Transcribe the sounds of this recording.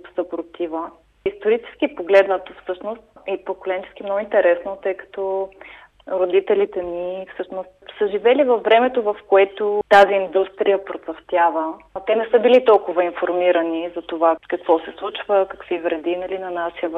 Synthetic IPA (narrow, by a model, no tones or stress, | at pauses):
kt̪səpɾot̪ivə | ist̪oɾit͡ʃɛ̥skipoɡlɛd̪nət̪ofsɤʃnost̪̚ɛpokolɛnt͡ʃɛ̥sk̟imnɔɡʊint̪ɛɾɛsnot̪ɤjkɐ̥t̪ɔ | ɾod̪it̪ɛlit̪ɛnifsɤʃnost̪səʒivɛlivɐfːɾɛmɛt̪ovɐfkoɛt̪ot̪aziːnd̪ust̪ɾijəpɾot̪sɐft̪ʲjavət̪ɛnɛsəbilit̪ɔlˠkʊvɐinfoɾmiɾɐnizɐt̪ovakɐkvɔsɛslˠut͡ʃvəkɐkvivɾɛd̪inɐlinɐnaʃiəv